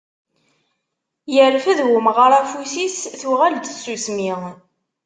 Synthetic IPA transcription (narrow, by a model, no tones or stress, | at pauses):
jəɾfəðwʊmʁəɾˤæfusisθuʁæld̪sːusmi